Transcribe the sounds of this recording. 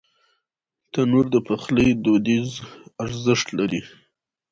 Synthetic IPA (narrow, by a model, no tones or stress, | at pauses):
t̪anuɾd̪əpaxləjd̪od̪izaɾzəʂt̪laɾi